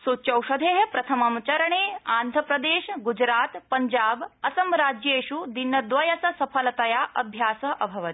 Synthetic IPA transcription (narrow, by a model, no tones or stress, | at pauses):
sut͡ʃɐwʃɐd̪ʱeːɦɐpɾɐt̪ʰɐmɐmt͡ʃɐɾɐɳeːaːnd̪ʱɐpɾɐd̪eːʃɡud͡ʒɾaːt̪pɐɲd͡ʒaːbɐsɐmɾaːd͡ʒjeːʃud̪inːɐd̪ʋɐjɐsɐsɐpʰɐlɐt̪ɐjaːʔɐ̰bʱjaːsɐɦʔɐbʱɐʋɐt̪i̥